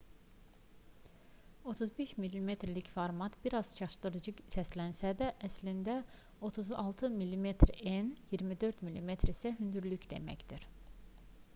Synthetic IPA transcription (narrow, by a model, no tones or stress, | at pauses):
o̞t̪ʰuzbeʃmilːime̞t̪ʰɾlicfoɾmɑt̪b̥iɾɑz̥t͡ʃʰɑʃd̪ɯɾɯd͡ʒɯsæslænsæd̪æʔæslind̪æ | o̞t̪ʰuzɑ̰lˠt̪ʰɯmilːime̞t̪ʰɾenjiɾmid̪øɾd̪milʲːime̞t̪ʰɾisæɦynd̪yɾlycd̪e̞̰mæ̰çd̪̥iɾ̥